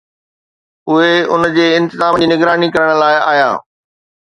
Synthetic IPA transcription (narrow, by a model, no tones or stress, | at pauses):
ʊɦeʊnd͡ʑeːɪ̃nt̪ɪzaːməd͡ʑiːnɪɡɾaːnikɐɾəɽ̃̆laːɪa̰ːja̰ː